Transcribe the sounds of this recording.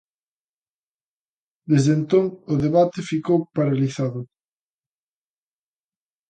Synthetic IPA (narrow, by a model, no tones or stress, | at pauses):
d̪ezðent̪oŋʊðeβat̪ɪfikowpaɾaliθaðʊ